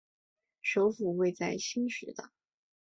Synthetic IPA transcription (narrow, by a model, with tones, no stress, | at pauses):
ʂo˧˥ʊfu˨˩we˥˧ɪt͡sa˥˩ɪɕi˥nʂɻ̩˧˥d̪ə̰˩